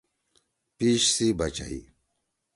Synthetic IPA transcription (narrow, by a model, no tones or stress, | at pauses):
piːɕsibɐt͡ɕa̰ḭ